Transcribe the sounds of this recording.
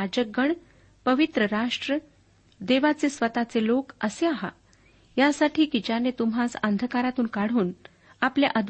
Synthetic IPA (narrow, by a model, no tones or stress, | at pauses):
ad͡ʑəɡəɳ | pəʋit̪ɾəɾaʂʈɾə | d̪eʋat͡sesʋət̪at͡selokəseaɦa̰ | jasaʈʰiːkid͡ʑanet̪umɦasənd̪ʱəkaɾat̪uːnkaɽ̤uːn | apljaʔəd̪ʱ